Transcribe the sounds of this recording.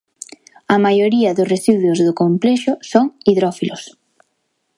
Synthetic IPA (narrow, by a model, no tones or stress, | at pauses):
ɐmajoɾiɐðʊsresiðwʊzðokompleʃʊsoŋiðɾɔfilʊs